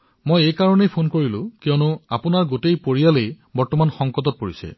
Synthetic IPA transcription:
mojejkaɹɔnejpʰonkoɹilʊ̃kijɔnuapʊnaɹɡotejpoɹijalej | bɔɹtɔmanxɔŋkɔtɔt̚poɹisɛ̰

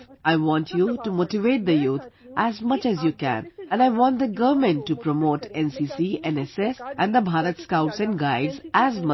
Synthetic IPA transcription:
aɪʋɔ̃nʈʰjuʈumoːʈiʋeːʈ̚d̪əjuːt̪ʰ | ʔæzmʌt͡ʃæzjukæ̰̃nɛ̃naɪʋɔ̃ːnt̚d̪əɡʌʋəmɛ̃nʈːupɾomoːʈɛ̃nsisiɛ̃nɛsɛsʔæ̃nd̪əbʱaːɾət̪skaʊʈsɛ̃nɡaɪɖzæzmʌ

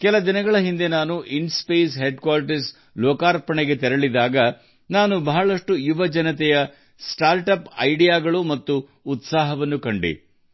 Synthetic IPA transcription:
kɛlɐd̪inɐɡɐɭɐɦind̪e̞naːnuʔinspeːsɦeːɖkʋaːɾʈɐɾs | lɔːkaːɾpɐɳɛɡe̞t̪ɛɾɐɭid̪aːɡɐ | naːnubɐɦɐɭɐʂʈujuʋɐd͡ʒɐnɐt̪ɛjɐ | sʈaːɾʈɐpɐ̰jɖijaːɡɐɭumɐt̪ːuː | t̪saːɦɐʋɐnːukɐɳɖḭ

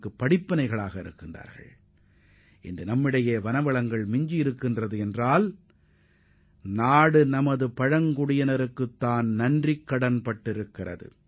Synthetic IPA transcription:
kːɯpːɐɽɪpːɐnɐɪɣɐɭaːɣɐɪɾɯkːɪndra̰ːɾɣɐ̰ɭ | ʔɪ̰ndrɯnɐmːɪɽɐjeːʋɐnɐʋɐɭɐŋɡɐɭmɪɲd͡ʒɪjɪɾɯkːɪndrɐðɯɛndraːl | naːɽɯnɐmɐðɯpɐɻɐŋkʊɽɪjɐnɐɾɯkːɯt̪ːaːnnɐndrɪkːɐɽɐnpɐʈːɪɾɯkːɪrɐ̰ðɯ̰

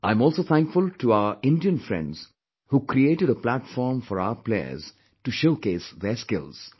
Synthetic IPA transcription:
ãɪ̃mɔːlsoːt̪ʰæ̃ŋkfʊlʈuaʊəɾʔɪ̃nɖiə̃nfɾɛ̰̃ɳɖz̥ | huːkɾieːʈɪɖəplæʈfɔːɾmfɔɾa̰ʊəplḛə̰z̥ | ʈuʃoːkeːsðeskɪ̰lz̥

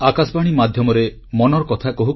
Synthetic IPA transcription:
akasbaɽ̃imad̪ʱjɔmɔɾe | mɔnɔɾɔkɔt̪ʰakɔɦu

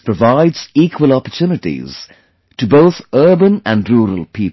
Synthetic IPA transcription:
pʰɹəvaɪdz̥iːkʰwəlɔpətʰjuːnɨʈḭz̥ | tʰɨboʊθɜːbə̃næ̃nɾuːɹə̰lˠpʰip

